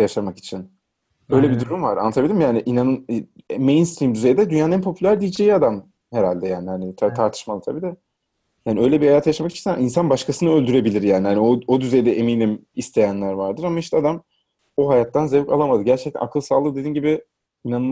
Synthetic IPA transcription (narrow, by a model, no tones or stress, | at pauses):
jaʃamaki̥t͡ʃʰin | ø̞jlʲɛbid̪uɾumvaɾa̰nːat̪ʰabilʲimjaːnɪʔinanɯn | mejnst̪ɾiːmd̪yze̞jd̪ɛd̪ynjaːnɛnpʰo̞pʰylʲæɾd̪ijid͡ʒejiad̪am | heɾalʲd̪ɛjaːnɪhanɪt̪ʰt̪ʰaɾt̪ʰɯ̥ʃmalˠat̪ʰabiːd̪a | jaːniø̞jlʲɛbihajaːt̪ʰajaʃamakit͡ʃʰinaainsanbaʃkʰasɯnɯø̞lʲd̪yɾe̞bilʲiɾjaːnihaniood̪yzejd̪ɛʔeminimist̪ʰe̞jænlʲæɾvaɾd̪ɯɾamaiʃt̪ʰɛad̪am | oɦajat̪ːanzevka̰lˠamad̪ɯɟæɾt͡ʃʰɛct̪ʰæ̰nakʰɯlˠsaːlˠɯd̪ed̪iːnɟibɪ | inanɯ